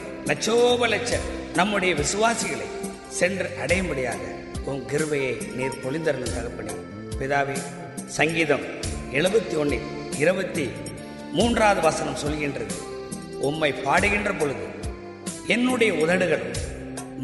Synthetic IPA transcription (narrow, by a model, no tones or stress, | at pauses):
nɐt͡ʃːoːbɐlɐt͡ʃːɐɾnɐmːɯɽɐjɐʋɪsɯʋaːsɪɣɐɭɐ̰ɪ | sɛndrɯʔɐɽɐjɐmbɐɽɪja̰ːɣɐ̰ | ɔmɡɪɾɯbɐjɐɪniːɾt̪ɔɭɪnd̪ɐɾɐnɯt̪ɐɣɐpːɐɳḭ | pɪðaːʋeː | sɐŋɡiːðɐm | ɛɭɯbɐt̪ːiɔɳɖɪ | ɪɾɯbɐt̪ːi | muːndraːðɯʋɐsɐnɐmsɔlɣɪndrɐðɯ̰ | ɔmːɐɪpːaːɽɯɣɪndrɐpɔɻɯðɯ̰ | ɛnːɯɽɐjɐʊðɐɽɯɣɐɭɯm